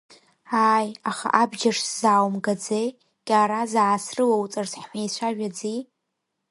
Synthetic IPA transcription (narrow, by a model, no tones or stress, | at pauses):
aːjaχa̰ʔabd͡ʒaʂzawmɡad͡zej | ɡʲʼaːɾazaːsrɨwawt͡sʼarzħħʷajt͡ɕʷʰaʒᶣad͡zi